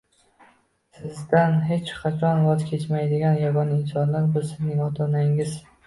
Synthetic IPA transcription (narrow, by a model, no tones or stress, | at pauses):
sɪzd̪anɦe̞t͡ʃqʰɑt͡ʃʰɒnvɒzkʲʰe̞t͡ʃmajd̪ɪɡʲanjaɡɒnɪnsɒnlaɾbɪzsɪznɪŋɒt̪ʰɒnaɪŋɪz̥